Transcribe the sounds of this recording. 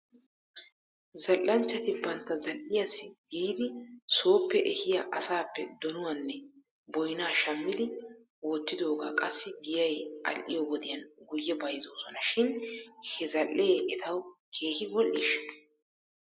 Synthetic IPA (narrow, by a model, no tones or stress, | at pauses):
zɐlːɐnt͡ʃːɐt̪ɪbɐnt̪ːɐzɐlʔɪjɐsɪɡiːd̪ɪso̞ːpːɛʔɛhɪjaʔɐsaːpːɛd̪ɔnʊwɐnːɛ | bɔjnaːʃɐmːɪd̪ɪ | wɔt̪ːɪd̪o̞ːɡa̰ːkʼɐsːɪɡɪjɐjʔɐ̰lʔɪjɔɡɔd̪ɪjɐnɡʊjːɛbɐjzo̞ːsɔnɐʃɪnhɛzɐlːeːʔɛt̪ʰɐwkʰe̞ːhɪbɔlʔiːʃ